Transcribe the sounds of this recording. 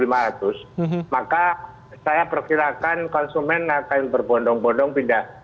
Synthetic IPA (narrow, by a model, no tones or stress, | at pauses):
limaɾat̪ʊsmaka | sajapərkiɾakankɔnsumɛnakanbərbɔndɔŋbɔndɔŋpindah